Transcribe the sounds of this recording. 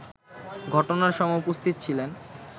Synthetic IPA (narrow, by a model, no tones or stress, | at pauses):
ɡʱɔʈonaɾʃɔmɔupost̪ʰit̪t͡ɕʰilen